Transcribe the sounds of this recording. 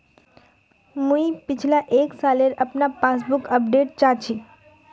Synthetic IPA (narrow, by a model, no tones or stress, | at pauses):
mũipɪt͡ʃʰlaʔeksaleɾəpnapas̬bukəpɖeʈ̚t͡ʃat͡ʃʰi